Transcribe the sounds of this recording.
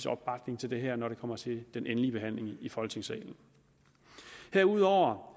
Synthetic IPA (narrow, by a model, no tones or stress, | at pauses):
sɒ̽b̥ɑ̈ɡ̥ne̝ŋt͡sʰe̝ld̥eɦɛɐ̰nɒɾe̝kʰɒ̽m̰ɐt͡sʰe̝d̥enʔenliəb̥e̝ɦæn̰le̝ŋifɒ̽lɡt͡sʰe̝ŋsɛ̰ːln̩ | heɐuð̞̰ˠɒʊ̰ɐ